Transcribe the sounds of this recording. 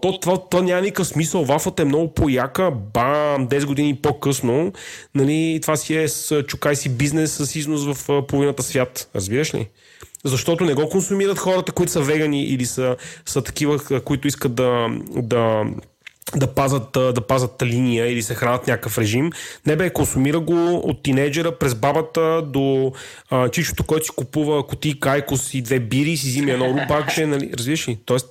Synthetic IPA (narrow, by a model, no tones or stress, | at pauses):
t̪ɔt̪vat̪vanʲamɐnikəfsmisəlˠvafət̪əɛmnɔɡʊpojakəbamd̪ɛsɡʊd̪inipokɤsnonɐlit̪vasiɛst͡ʃʊkajsibiznɛsːəsiznʊsvɐfpovinət̪əsvʲjat̪ɾɐzbiɾəʃlḭ | zɐʃt̪ɔt̪ʊnɛɡɔkonsumiɾət̪xɔɾət̪əkʊit̪ʊ̥sɐəvɛɡɐniʔḭlisəsət̪ɐ̥k̟ivəkʊit̪ʊiskət̪̚d̪ɐd̪ɐ | d̪ɐpazət̪d̪ɐpazət̪linijəilisɛxɾanət̪nʲakəfɾɛʒimnɛbɛkonsumiɾəɡoo̰t̪ːinɛjd͡ʒɛɾəpɾɛzbabət̪əd̪o | t͡ʃit͡ʃko̥t̪o̥kɔjt̪ʊ̥si̥kupuvəːkot̪ikajkosid̪vɛbiɾiːsizimiɛd̪nɔɾubakd͡ʒɛnɐlḭɾɐzbiɾəʃlit̪ɔɛst̪